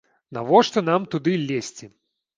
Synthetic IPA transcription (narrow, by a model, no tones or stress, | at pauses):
navɔʂt̪ɔnamt̪ud̪ɨlʲːesʲt͡sʲi